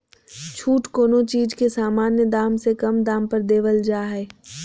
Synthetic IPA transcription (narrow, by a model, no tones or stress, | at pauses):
t͡ʃʰuːʈkoːnõt͡ʃiːd͡ʒkesaːmaːnjəd̪aːmsekɐmd̪aːmpəɾd̪eːʋəld͡ʒaːɦɛː